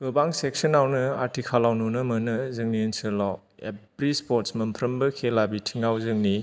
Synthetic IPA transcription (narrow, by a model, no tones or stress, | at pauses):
ɡɯbaŋsek̚sənawnɯaɾtʰikʰalawnunɐmɐnɐzɯŋniensɯlaw | ḛbɾispoɾtsmɐmpʰɾɐmbɐkʰelabitʰiŋawzɯŋni